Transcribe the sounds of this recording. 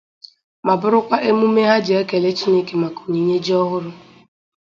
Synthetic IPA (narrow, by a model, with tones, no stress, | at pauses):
ma˨bʊ˦ɾʊ˦kʷa˦ʔe˦mu˦me˦ɦa˦d͡ʒe˦ke˨le˦t͡ʃi˦ne˦ke˨ma˨ku̥˨ɲi˨ɲe˦d͡ʒi˦ɔ˦ɦʊ˦ɾʊ˦